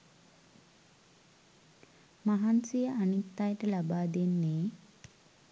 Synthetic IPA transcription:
maɦansijəʔanit̪ːajəʈəlabaːd̪enːeː

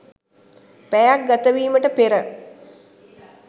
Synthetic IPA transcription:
pæjak̚ɡat̪əʋiːməʈəpeɾə

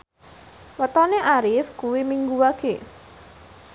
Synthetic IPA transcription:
wət̪ɔneʔaɾɪfkuwimiŋɡuwaɡ̥e

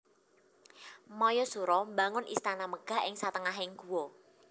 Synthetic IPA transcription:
mɔjɔsuɾɔmbaŋʊnʔḭst̪anaməɡ̥a̤ɦʔɪŋsat̪əŋaɦɪŋɡ̥uwɔ

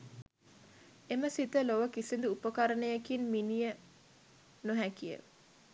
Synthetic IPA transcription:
eməsit̪əloʋəkisind̪uupəkaɾənəjakinminijə | noɦækijə̰

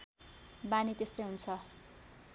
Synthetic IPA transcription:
banit̪est̪ojɦunt͡sʰʌ

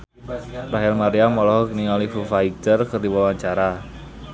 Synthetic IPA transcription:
ɾaɦɛlmaɾiamɔlɔɦɔkniŋalifufaitərkərdiwawaɲt͡ʃaɾa

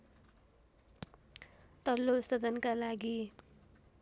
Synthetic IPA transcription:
t̪ʌlːost̪ʌd̪ʱʌnkalaɡi

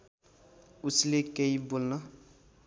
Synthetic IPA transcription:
uslekeibolnʌ

